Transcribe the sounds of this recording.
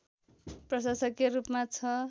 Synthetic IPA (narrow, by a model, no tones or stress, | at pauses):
prʌsasʌkerupmat͡sʰʌ